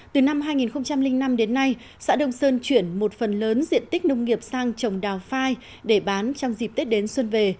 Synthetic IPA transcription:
t̪ɨ˨˩na˧mɦaː˧jŋi˨˩nxə˧ŋ͡mt͡ɕa˧mlï˧ŋna˧mɗe˨˦nːa˧j | sa̰ː˧˥ɗə˧˩wŋ͡msəː˧nt͡ɕwi˧˩ənmo˨˩t̚fə˨˩nləː˨˦nzḭ˧˨ənt̪ï˦˥k̚nə˧wŋ͡mŋi˨˩əp̚saː˧ŋt͡ɕə˧˩wŋ͡mɗaː˨˩wfaː˧j | ɗe˧˩ɓaː˨˦nt͡ɕɔ˧wŋ͡mzi˨˩p̚t̪e˦˥t̚ɗe˨˦nswə˧nve˨˩

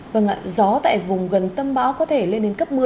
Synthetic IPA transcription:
və˧˩ŋa̰ː˧˨zɔ˨˦t̪a̰ː˧˨jvʊ˨˩ŋ͡mɣə˨˩nt̪ə˧mɓaː˨˦wkɔ˨˦t̪ʰe˧˩le˧nɗe˨˦nkə˦˥p̚mɨ˧

